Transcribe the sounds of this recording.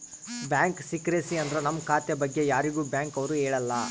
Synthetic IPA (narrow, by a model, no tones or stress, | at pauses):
bjaːŋksikɾesiɐnd̪ɐɾenɐmːkʰaːt̪jɐbɐɡːe̞jaːɾiɡuːbjaːŋkɐʋɐɾuɦeːɭɐlːɐ